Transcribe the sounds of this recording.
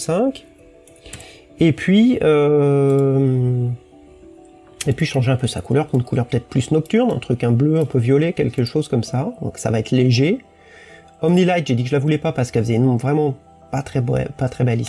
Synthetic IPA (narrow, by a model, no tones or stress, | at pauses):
sɛ̃kʲ | epʰɥiø | m | epɥiʃɑ̃ʒeɛ̃pøsakulœʁpynkʰulœʁpø̥t̪ɛt̪χplysnɔk̚t̪yʁnɛ̰̃t̪χykɛ̃bløɛ̃pøvjɔlekʲɛlkəʃozkɔmsad̪ɔ̃ksa̰vaɛt̪χleʒe | ɔmnilajt̪ʒed̪ikəʒəlavulɛpapaʁsə̥kɛlfəzɛynɔ̃vʁɛmɑ̃ | pat̪χɛbɛ̰pat̪χɛbɛli